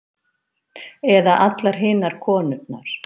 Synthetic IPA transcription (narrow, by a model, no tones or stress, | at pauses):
ɛðaʔat̪laɾ̥ɦɪːnaɾ̥kʰɔːnʏt̪̚na̰ɾ̥